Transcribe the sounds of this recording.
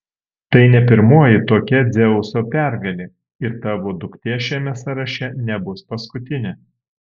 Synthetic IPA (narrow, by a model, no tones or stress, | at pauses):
t̪ɐɪnʲɛpʲɪɾmuɔjɪt̪oːkʲɛd̪zʲɛʊsoːpʲæˑɾɡɐlʲe | ɪɾt̪ɑːʋoːd̪ʊkt̪ʲeʃʲæːmʲɛsɐɾɐʃʲɛnʲɛbʊspɐskʊt̪ʲɪnʲɛ